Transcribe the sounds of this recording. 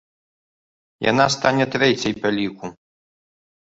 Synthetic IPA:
ja̰nast̪anʲɛt̪ɾɛt͡sʲɐjpʲalʲiku

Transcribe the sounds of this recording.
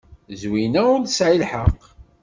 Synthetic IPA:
zwinæʊɾd̪sʕilħəq

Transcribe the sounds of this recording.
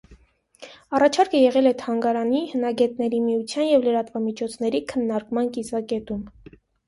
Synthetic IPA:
ɑrɑt͡ʃʰɑɾkəjɛʁɛlɛt̪ʰɑŋɡɑɾɑnihənɑɡɛt̪̚nɛɾimiut͡sʰjɑnjɛvləɾɑt̪vɑmit͡ʃʰɔt͡sʰnɛɾikʰənːɑɾkmɑnkisɑkɛt̪um

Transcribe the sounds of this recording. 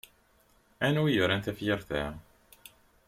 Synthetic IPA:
ænuijəɾˤænt̪æfjəɾθæ

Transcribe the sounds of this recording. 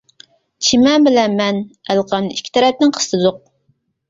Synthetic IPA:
t͡ʃʰimɛmbɪlɛnmɛnælqɑmnɨiʃkʲʰːi̥t̪ʰɛɾɛp̚nɪŋqʰə̥st̪ɨd̪ʊq̚

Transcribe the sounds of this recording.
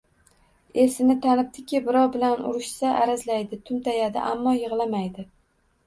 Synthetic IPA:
e̞sɪnɪt̪ʰanɪp̚t̪ʰɪkʲɪbɪɾɒwbɪlanʊ̰ɾɪʃsaʔaɾazlajd̪ɪt̪ʰʊmt̪ʰajad̪ɪ̰ʔamːɒjɨʁlˠamajd̪ɪ

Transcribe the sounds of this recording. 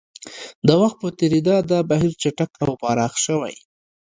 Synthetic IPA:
d̪əwaxt̪̚pət̪eɾid̪ɑd̪ɑbaɦiɾt͡ʃaʈakawpɑɾɑxʃəwa̰j

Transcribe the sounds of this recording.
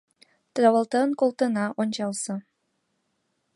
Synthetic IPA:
t̪ɾɑβɑlˠt̪ɤnkolˠt̪ɤ̆nɑʔonʲt͡ɕɑlˠsɤ

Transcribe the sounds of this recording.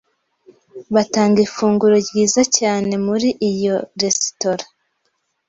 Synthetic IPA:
βataːŋɡifuːŋɡuɾoɡiːzacaːne̞muɾiʔijo̞ɾe̞si̥to̞ɾa

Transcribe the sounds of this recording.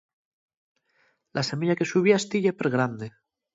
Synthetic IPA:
lʔase̞miʎake̞suβiast̪iʎepeɾɣɾand̪e

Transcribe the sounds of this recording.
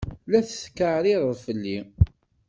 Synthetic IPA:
læθθkːəʕɾiɾðˤfəlːi

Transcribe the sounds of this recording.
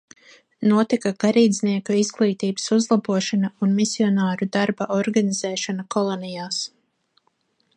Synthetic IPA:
nuɔt̪ikaɡ̥aɾiːd̪zʲniɛkuizɡlˠiːt̪iːbɨ̥suzlˠabuɔʃanaunmisiɔnaːɾud̪aɾbaʔɔɾɡaniz̥ɛːʃanakɔlˠɔnɛjaːs

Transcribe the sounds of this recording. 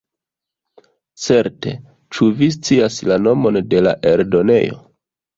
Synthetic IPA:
t͡se̞ɾte̞̰ | t͡ʃuvis̬t͡siaslano̞mo̞nde̞laʔe̞ɾdo̞ne̞̰jo̞̰

